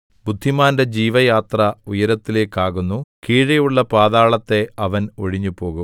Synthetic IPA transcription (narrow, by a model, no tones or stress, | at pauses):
bud̪ʱːimaːnde̞d͡ʑiːʋɐjaːt̪rɐujɐɾɐt̪ːile̞ːkːaːɣunːukiːɻɐjuɭːɐpaːðaːɭɐt̪ːe̞ɐʋɐno̰ɻiɲːupo̞ːɣum